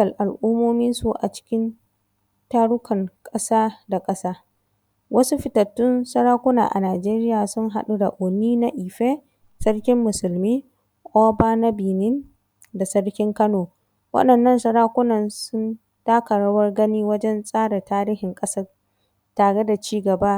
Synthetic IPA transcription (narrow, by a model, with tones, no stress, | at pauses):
ɐ˨lʔa˨lʔu˦moː˦mɪ˦nsu˨ʔa̰˨t͡ʃɪ̥˦kʲɪ˦n | taː˦ɽʊ˦kɐ˨ŋkʼɐ˦saː˦da˨kʼɐ˦saː˦ | wʔɐ˦su˦ɸɪ˨tɐ˨tːʊ˦nsɐ˦ɽaː˦kʷʊ˦na̰ː˨ʔa̰˨naː˨d͡ʒeː˦ɾɪ˦jaː˨sʊ˦ŋɦa˦ɗu˦da˨ʔʊ˨nːiː˦na˦ʔiː˨ɸeː˦ | sɐ˦rkʲɪ˦mːʊ˨sʊ˨lmiː˦ | ʔoː˦baː˦nɐ˦biː˨nɪ˦n | da˨sɐ˦ɽkʲɪ˦ŋkɐ˦noː˨ | wʔɐ̰˦ɗɐ˨nːɐ˦nsɐ˦ɽaː˦kʷʊ˦nɐ˨nsʊ˦n | d̥aː˦kɐ˨ɽa˦wɐ˦rɡɐ˦niː˦wɐ˦d͡ʒɛ˦nsʼaː˦ɽa˨taː˦ɾiː˦hɪ˨ŋkʼɐ˦sɐ˦r | taː˨ɽe˦da˨t͡ʃiː˦ɡɐ˨baː˦